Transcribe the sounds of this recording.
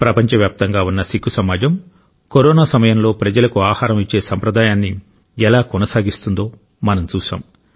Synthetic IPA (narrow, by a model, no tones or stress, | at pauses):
pɾɐpɐɲt͡ʃɐʋjaːp̚t̪ɐŋɡaːunːɐsikʰːusɐmaːd͡ʒɐm | koɾɔːnaːsɐmɐjɐmlo̞ːpɾɐd͡ʒɐlɐkuaːhaːɾɐmit͡ʃːe̞ːsɐmpɾɐd̪aːjaːnːi | ɛlaːkɔnɐsaːɡist̪und̪o̞ː | mɐnɐmt͡ʃuːʃa̰ːm